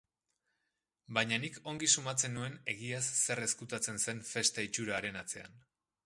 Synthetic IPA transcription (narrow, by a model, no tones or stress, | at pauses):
baɲaniko̞ŋɡisumat͡se̞nue̞ne̞ɣiasːe̞re̞skut̪at͡se̞nse̞ɱfe̞st̪ait͡ʃuɾaːɾe̞nat͡se̞a̰n